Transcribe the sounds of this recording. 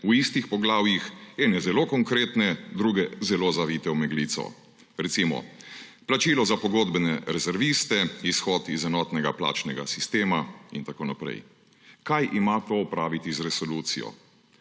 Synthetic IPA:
uist̪ixpɔɡlaːwjixɛːnɛzɛloːkɔŋkɾeːt̪nɛd̪ɾuːɡɛzɛloːzaʋiːt̪ɛwmɛɡlit̪sɔ̰ | ɾɛt̪simɔ̰plat͡ʃiːlɔzapɔɡoːd̪bɛnɛɾɛzɛɾʋist̪ɛisxɔːt̪izɛnɔːt̪nɛɡapla̰ːt͡ʃnɛɡa̰sist̪eːmaḭnt̪akoːnapɾɛ̰j | kajʔimat̪oɔpɾaːʋit̪izɾɛsɔluːt̪sḭjɔ̰

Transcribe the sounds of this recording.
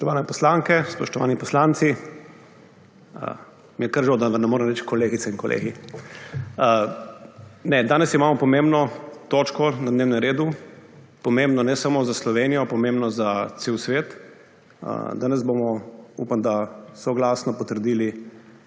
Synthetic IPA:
pɔʃt̪ɔʋaːnɛpɔslaŋkɛspɔʃt̪ɔʋa̰ːnipɔslant̪si | ə̰ | mjɛkəɾʒod̪aəɾnɛmoːɾɛmɾɛt͡ʃkɔleːɡit̪sɛiŋkɔlʔḛːɡi | ə | nɛd̪aːnɛsimaːmɔpɔmembnɔt̪ot͡ʃkɔnad̪neːwnɛmɾeːd̪u | pɔmembnɔnɛsamozaslɔʋenijɔpɔmembnɔzat̪seːwsʋeːt̪ | ə̰d̪aːnɛzbomɔṵpamd̪asɔɡlaːsnɔpɔt̪əɾd̪iːli

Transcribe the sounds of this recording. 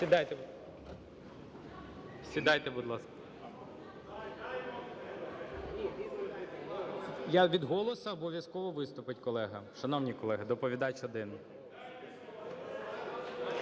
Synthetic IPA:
sʲid̪ɑjt̪e | sʲid̪ɑjt̪ɛbud̪lˠɑskɐ̥ | jaʋʲid̪ɦɔlˠɔsɐːbɔʋʲjɐskɔʋɔʋɪst̪ʊpɪtʲkɔlˠɛɦɐʃɐnɔwnʲikɔlˠɛɦɪd̪ɔpɔʋʲid̪ɑt͡ʃɔd̪ɪn

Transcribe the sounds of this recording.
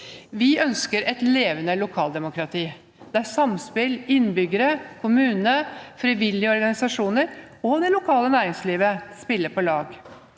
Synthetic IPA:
ʋɪœnskəɾʔɛt̪leːʋənəlʊkʰɑːld̪ɛmʊkɾɑt̪ʰiː | d̪̥ɛæsɑmspɪlɪnbʏɡəɾəkʰʊmʉːnəfɾiʋɪlɪəɔɾɡɑnɪsɑʂuːnəɾ | ɔd̪ɛlʊkʰɑːlənæːɾɪŋsliːʋəspɪlːəpʰɔlɑːɡ

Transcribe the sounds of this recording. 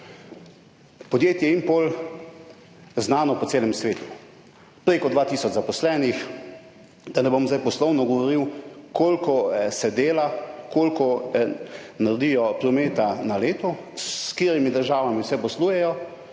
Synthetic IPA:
pɔd̪jeːt̪jɛimpol | znaːnɔpɔseːlɛmsʋeːt̪u̥ | pɾeːkɔd̪ʋaːt̪iːsɔt͡ʃzapɔslɛːnix | d̪anɛbomzajpɔslɔwnɔɡɔʋɔɾiwkʰoːlkɔsɛd̪eːlakoːlkɔ | naɾd̪ijɔpɾɔmeːt̪analeːt̪ɔ | skeːɾimid̪əɾʒaːʋamiwsɛpɔsluːjɛjɔ

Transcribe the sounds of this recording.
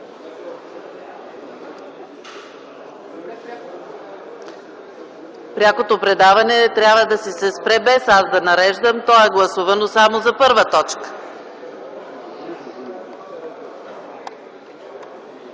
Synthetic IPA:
pɾʲakot̪opɾɛd̪avɐnɛt̪ɾʲjabvəd̪ɐsisɛspɾɛbɛsazd̪ɐnɐɾɛʒd̪əmt̪ɔɛɡlˠɐsuvɐnosamozɐpɤɾvət̪ɔt͡ʃkə̥

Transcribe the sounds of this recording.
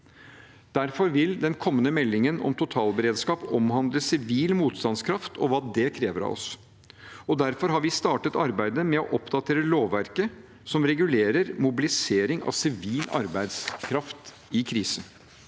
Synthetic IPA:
d̪̥æɾfɔɾʋɪld̪ɛnkʰɔmːənəmɛlːɪŋənɔ̰mt̪ʰʊt̪ʰɑːlbəɾeːd̪skɑːpɔmɦɑnd̪ɾəsɪʋiːlmuːt̪st̪ɑnskʰɾɑft̪ʰɔ̰ʋɑːd̪ɛkʰɾeːʋəɾɑ̰ʋɔ̰s | ɔd̪æɾfɔɾɦɑɾʋɪst̪ɑːʈət̪ɑɾbæɪd̪əmɛɔʔɔpd̪ɑt̪ʰeːɾəloːʋːæɾkə | sɔmɾɛɡʉleːɾəɾmʊbɪlɪseːɾɪŋɑ̰ʋsɪʋiːlɑ̰ɾbæɪd̪skʰɾɑft̪ | ɪkʰɾiːsən

